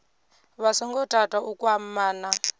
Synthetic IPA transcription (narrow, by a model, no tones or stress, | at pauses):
βasɔŋɡɔtʼatʼaʔukwammaːna